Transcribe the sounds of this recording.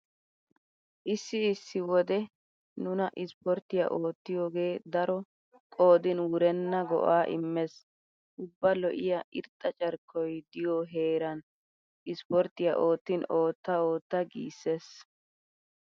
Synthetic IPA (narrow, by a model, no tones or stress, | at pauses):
ʔɪsːɪːsːɪwɔd̪ɛ | nʊnɐʔɪspɔɾt̪ːɪjɐ̰ʔo̞ːt̪ːɪjoːɡe̞ːd̪ɐɾɔ | kʼo̞ːd̪ɪnwʊɾɛnːɐɡɔ̰ʔaːʔɪ̰mːɛs | ʔʊbːɐlɔ̰ʔɪjɐʔɪɾt̪ʼːɐt͡ʃʼɐɾkːɔjd̪ɪjɔɦeːɾɐn | ɪspɔɾt̪ːɪjɐ̰ʔo̞ːt̪ːɪno̞ːt̪ːɐoːt̪ːɐɡḭːsːes